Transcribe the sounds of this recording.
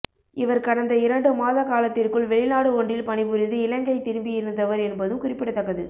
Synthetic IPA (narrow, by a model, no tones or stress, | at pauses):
ɪʋɐɾkɐɽɐnd̪ɐɪɾɐɳɖɯmaːðɐkaːlɐt̪ːɪrkɯɭʋɛɭɪnaːɽɯɔɳɖrɪlpɐɳɪpɯɾɪðɯɪlɐŋɡɐɪt̪ːɪɾɯmbɪjɪɾɯnd̪ɐʋɐɾɛnbɐðɯmkʊrɪpːɪɽɐt̪ːɐɣːɐðɯ̰